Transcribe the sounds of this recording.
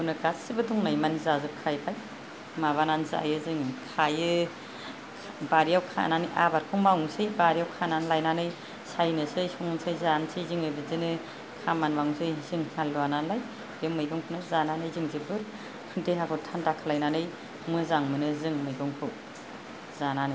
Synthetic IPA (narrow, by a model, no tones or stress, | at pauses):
bunɯɡasibɯduŋnajmanzazɯp̚kʰajpʰaj | maβanansɯa̰jɯzɯŋkʰajɯ | baɾijawkʰa̰ʔa̰naniʔabaɾkʰɔŋmawŋsɯjbaɾijawkʰananlajnanɯj | sajnɯsɯjsɔŋɯnsajzansʰɯjzɯŋɯbɯzɯnɯ | kʰamanmaŋsɯjzɯŋhalːuananlaj | ɾemɯjɡɔŋpʰunɯzananɯjzɯŋzibɯɾ | kʰɯnteɦakʰɔtʰandakʰalajnanɯj | mɯzaŋmɯnɯzɯŋmɯjɡɔŋpʰɯ | zananɯ